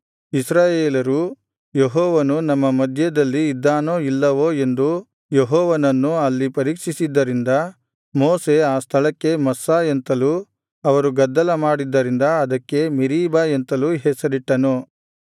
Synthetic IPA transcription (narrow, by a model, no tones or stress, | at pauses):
isɾaːjeːlɐɾu | jeɦɔːʋɐnunɐmːɐmɐd̪ʱjɐd̪ɐlːiːd̪ːaːnoːilːɐʋoːe̞nd̪u | jeɦɔːʋɐnɐnːuɐlːipɐɾiːkʂisid̪ːɐɾind̪ɐ | moːse̞aːst̪ʰɐlɐkːe̞mɐsːaːent̪ɐlu | ɐʋɐɾuɡɐd̪ːɐlɐmaːɽid̪ːɐɾind̪ɐɐd̪ɐkːe̞miɾiːbaent̪ɐluɦɛsɐɾiʈːɐnu